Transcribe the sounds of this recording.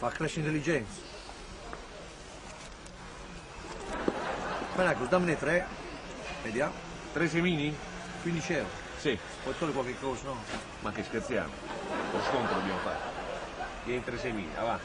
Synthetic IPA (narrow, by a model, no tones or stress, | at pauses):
fakːɾɛʃːint̪elːid͡ʒɛnt̪sḁ | bɛnakːozd̪amːənet̪ːɾɛ | med̪jaːm | t̪ɾes̬emiːni | kwind̪it͡ʃɛɾ | si | pɔjt̪ːoːlikwalkekːɔːsənɔ | makːeskeɾt̪sja̰ːmʊ̰loskont̪ɾod̪objamofa̰ɾ | jɛint̪ɾesemḭːnḭa̰va